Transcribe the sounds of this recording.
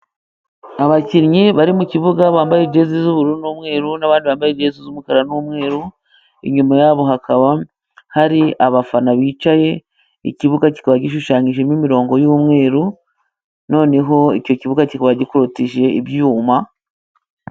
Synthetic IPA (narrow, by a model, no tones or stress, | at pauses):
aβaciɾɲiβaɾimuciβuɡaβaːmbajed͡ʒe̞zizuβuɾuɾunuːmŋe̞ːɾunaβaːndiβaːmbajed͡ʒe̞zizumukaɾanumŋe̞ːɾu | ḭɲumajaːβo̞ɦakaβa | haɾiʔaβafanaβiːt͡ʃaje̞ | ḭciβuɡaci̥kaβaɟiʃ̬uʃaːɲiʒemimiɾo̞ːŋɡo̞juːmŋe̞ːɾu | no̞ːne̞ɦo̞ico̞ciβuɡacikaβaɟikuɾutiʒe̞ibjuːma